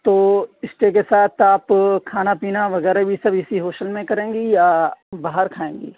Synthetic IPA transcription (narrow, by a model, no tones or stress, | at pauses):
t̪oːɪsʈek̬esaːt̪ʰaːpkʰaːnapiːnaʋɐɣɛːɾabʱisɐbʱɪsiɦoːʃəlmẽkɐɾẽːŋɡejabaːɦəɾkʰaːẽːŋɡḛː